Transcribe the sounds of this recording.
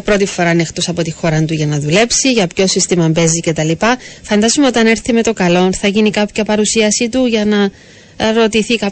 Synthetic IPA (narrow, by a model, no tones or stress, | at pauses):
pɾo̞t̪ifo̞ɾɐnext̪osɐpo̞t̪ixo̞ɾɐnt̪uʝɐnɐðule̞psiʝɐpço̞sist̪imɐmbe̞zice̞t̪ɐlipɐfɐnd̪ɐzumeot̪ɐne̞ɾθime̞t̪o̞kɐlo̞nθɐʝinikɐpçɐpɐɾusiɐsit̪uʝɐnɐ | ɾo̞t̪iθikɐ